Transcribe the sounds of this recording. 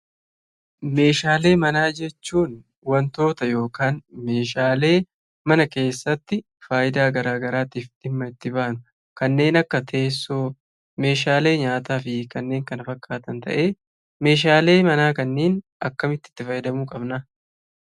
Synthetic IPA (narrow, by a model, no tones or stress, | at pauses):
me̞ːʃaːle̞ːmɐnaːd͡ʒɛt͡ʃːuːn | wɐnt̪o̞ːt̪ɐjo̞ːkaːnme̞ːʃaːle̞ː | mɐnɐke̞ːsːɐt̪ːɪ | faːjɪd̪aːɡɐɾaːɡɐɾaːt̪iːfd̪̥ɪmːɐɪt̪ːɪbaːnʊ | kɐnːe̞ːnɐkːɐt̪ʰeːsːʊ | me̞ːʃaːle̞ːɲaːt̪aːfɪkɐnːe̞ːŋkɐnɐfɐkʼːaːt̪ɐnt̪ɐ̰ʔe̞ː | me̞ːʃ̬aːle̞ːmɐnaːkɐnːe̞ːnʔɐkːɐmɪt̪ːɪ̥t̪ːɪfɐjɪd̪ɐmuːkʼɐbnɐ